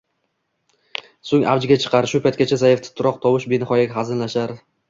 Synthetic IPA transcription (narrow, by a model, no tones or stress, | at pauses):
soŋʔa̰vd͡ʒɪɡʲat͡ʃʰɨ̥qʰɑɾʃʊpʰajt̪kʲat͡ʃʰazajɪft̪ʰɪ̥t̪ʰʊɾɒqt̪ʰɒwɪʃbenɪχɒjakʲχazɪnlaʃaɾ